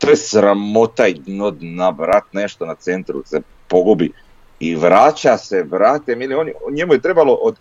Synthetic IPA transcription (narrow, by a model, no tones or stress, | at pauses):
t̪ojesɾamo̞t̪aid̪nod̪naʋɾat̪ne̞ʃt̪o̞nat̪se̞nt̪ɾṵse̞ | po̞ɡubi | iʋɾaːt͡ɕase̞ʋɾat̪emilionjɲemujet̪ɾe̞baloʔod̪